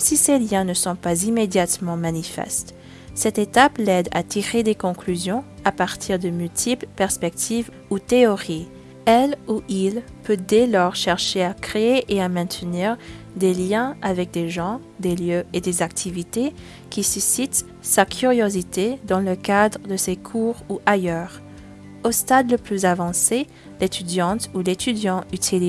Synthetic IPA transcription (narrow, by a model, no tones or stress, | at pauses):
siseljɛ̃nəsɔ̃pazimed̪jat̪mɑ̃manifɛ̰st̪ | sɛt̪et̪aplɛd̪a̰t̪ʰiʁed̪ekɔ̃klyzjɔ̃apaʁt̪ʰiʁd̪əmylt̪ʰiplpɛʁspɛk̚t̪ʰiv | ut̪eɔʁi | ɛluʔil | pød̪elɔʁʃɛʁʃeakχeeʔeamɛ̃t̪əniːʁ | d̪eljɛ̃avɛk̚d̪eʒɑ̃ | d̪eljøʔed̪ezak̚t̪ʰivit̪e | kʲisysit̪ | sakʲʰyʁjozit̪ed̪ɑ̃ləkad̪ʁəd̪əsekʰuʁuʔajœʁ | ost̪ad̪ləplyzavɑ̃se | let̪yd̪jɑ̃t̪ulet̪ʰyd̪jɑ̃yt̪ʰili